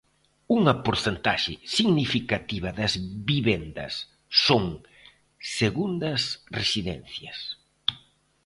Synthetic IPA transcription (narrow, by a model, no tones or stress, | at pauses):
uŋɐpoɾθent̪aʃɪsiɣnifikat̪iβ̞ɐðɐzβiβend̪ɐ̰sː | oŋ | seɣund̪ɐsresiðɛ̰n̟θjɐs